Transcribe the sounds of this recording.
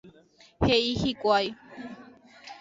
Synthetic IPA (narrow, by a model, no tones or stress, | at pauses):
heihikʷaj